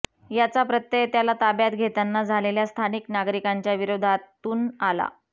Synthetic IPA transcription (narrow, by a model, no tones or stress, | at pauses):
jat͡sapɾət̪jet̪jalat̪abjat̪ɡʱet̪anːad͡zʱaleljast̪ʰaniknaɡɾikaɲt͡ɕjaʋiɾod̪ʱat̪ːuːnala̰